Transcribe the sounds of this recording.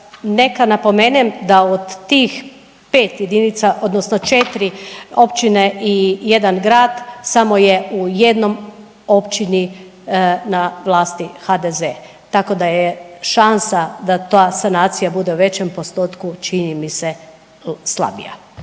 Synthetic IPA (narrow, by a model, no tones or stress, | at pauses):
ne̞kanapo̞menemd̪aod̪ːiːx | peːt̪jed̪init̪saʔo̞d̪nosnot͡ʃe̞t̪ɾio̞pt͡ʃineʔije̞d̪anɡɾaːd̪samojeuje̞d̪no̞m | o̞pt͡ʃini | naʋlˠaːst̪ixad̪eze | t̪ako̞d̪ajeʃansad̪at̪aːsanaːt̪sijabud̪e̞uʋe̞t͡ɕe̞mpo̞st̪oːt̪kut͡ʃinimise̞ | slˠa̰bḭja̰